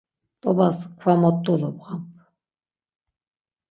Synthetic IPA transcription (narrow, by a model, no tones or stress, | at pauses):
t̪ʼɔbaskʷʰwamɔt̪ʼːulɔpʁampʰ